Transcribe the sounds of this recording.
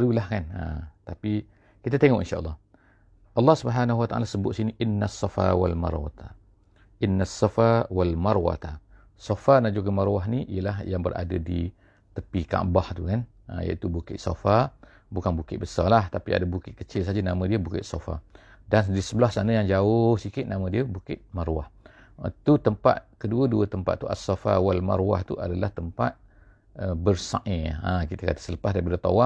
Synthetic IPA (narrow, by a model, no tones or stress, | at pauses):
lulahkanə̰t̪api | kit̪at̪eŋɔʔinʃaʔə̰lːɑh | ʔɑlːɑhsubəɦanaɦuwat̪aʔa̰lasəbʊt̪siniʔɪnːasːɑfa̰walma̰rwa̰t̪a | ʔɪnːasːɑfawalmarwa̰t̪a | sofanaʔd͡ʒuɡəmarwaɦniʔijəlaɦjaŋbəɾʔa̰dadi | t̪əpika̰ʔbaht̪ukan | ə̰ja̰it̪ubukɪ̰ʔ̪so̰fa | bukanbukɪʔ̪̚bəsalaht̪apia̰dabukɪt̪̚kət͡ʃɪlsad͡ʒənamə̃diəbukɪ̰t̪̚sofa̰ | dandisəbəlahsanəjaŋd͡ʒaʊhsikɪt̪̚namə̃diəbukɪt̪̚maɾwaht̪ut̪əmpa̰t̪̚kəduəduət̪əmpat̪ːuasafa̰walma̰ɾwa̰ht̪ṵʔa̰dalaht̪əmpa̰t̪̚ | əbərsa̰ʔeakit̪əkat̪ə̥sələpasdaɾipadət̪awa